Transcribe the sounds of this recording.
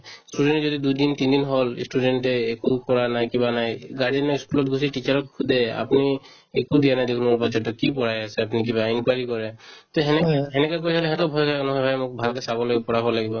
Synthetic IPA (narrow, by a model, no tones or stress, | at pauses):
studɛntzodidujdintind̪inɦolsʈudɛntɛːkukɔɹanajkibanajɡaɹinɔiskulɔtɡus̬iʈit͡ʃaɹɔk̚kʰud̪ɛa̰pni | ekudijanajdekʰunɔɔpɔt͡ʃɔtɔkipɔɹajasɛapnik̬iβainkwaɹikɔɹɛt̪ɔɦɛnɛɦɛnɛkak̬ojsʰalɛɦɛtɔbʱɔjkajkɔnɔɦɔjbʱajmʊk̚bʱalkɛsabɔloɡpɔɹabɔlaɡibɔ